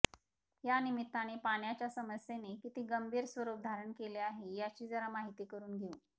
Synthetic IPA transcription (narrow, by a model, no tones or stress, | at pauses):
janimit̪ːañepaɳ̃jat͡ɕjasəməsenekit̪iːɡəmbʱiːɾsʋəɾup̚d̪ʱaɾəɳkeleaɦejat͡ɕiːd͡zəɾamaɦit̪iːkəɾuːnɡʱeũːn